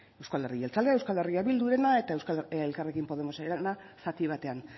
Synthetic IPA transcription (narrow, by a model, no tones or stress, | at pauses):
e̞wskale̞riʝelt͡sald̪ee̞wskaleriaβild̪uɾe̞nae̞t̪aewskelkarekimpo̞ð̞e̞mo̞saenasat̪iβ̞at̪e̞an